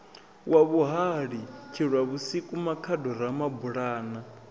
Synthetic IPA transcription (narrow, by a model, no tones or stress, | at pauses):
waβuɦaɺikʰiɺwaβusikʼumakʰadɔɾamabuɺaːna